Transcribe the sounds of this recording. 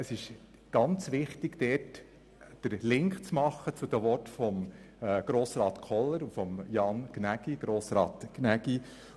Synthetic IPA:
əsɪʃ | ɡ̥ɑnt͡sʋɪχt̪ɪɡ̥d̥̪ɛːt | d̥əɾlɪŋkχt͡smɑχːət͡sud̥̪əʋɔtfɔmː | ɡ̥ɾoːsɾɑːt̪kʰɔlːəɾufɔmjɑnɡ̥næɡ̥iɡ̥ɾoːsɾɑ̰ːt̪ɡ̥næɡi

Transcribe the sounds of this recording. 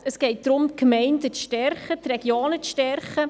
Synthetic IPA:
əsɡ̥ɛɪt̚d̥̪ɾʊm̚kmɛɪndət͡sʃtɛrχət̪rɛɡjoːnət͡sʃtɛɾχə

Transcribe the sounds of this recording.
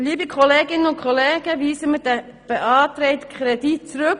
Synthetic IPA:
liːbəkʰɔleːɡɪnənʊnkʰχɔleːɡ̥əʋiːsəmɪdɛ | b̥eʔɑːtɾɛɪtkʰɾɛdit̚t͡sɾɵk

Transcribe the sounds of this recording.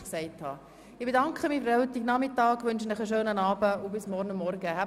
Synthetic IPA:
ksɛɪthɑ̰ | ɪb̥edɑŋkχəmifəɾɛwt̪iɡnɑmɪtːɑːɡʋʏnʃənəχəʃøːnənɑːbəʊbɪsmɔɾnəmːɔɾɡəhæ

